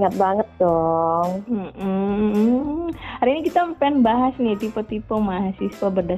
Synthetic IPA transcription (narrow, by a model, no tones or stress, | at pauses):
ŋabaŋət̚d̪ɔŋm̩m̩ | aɾinikit̪apɛnbaɦasnit̪ipɔt̪ipɔŋmaɦasispabərda